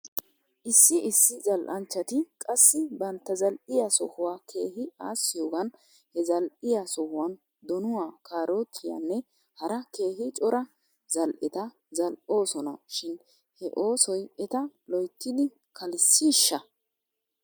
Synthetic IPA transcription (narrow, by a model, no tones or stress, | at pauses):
ʔɪsːɪʔɪsːɪzɐlʔɐnt͡ʃːɐt̪ɪkʼɐsːɪbɐnt̪ːɐzɐlʔɪjasɔhʊwaːkʰe̞ːhɪaːsːɪjoːɡɐn | hɛzɐlʔɪjasɔhʊwɐn | d̪ɔnʊwaːkaːɾʔoːt̪ʰːɪjɐ̰nːɛ | hɐɾɐke̞ːhɪt͡ʃʼɔɾɐ | zɐlʔɪt̪ɐ | zɐlʔo̞ːsɔnɐʃɪn | hɛʔo̞ːsɔjɛt̪ɐlɔjt̪ːɪd̪ɪ | kʰɐlɪsːiːʃːɐ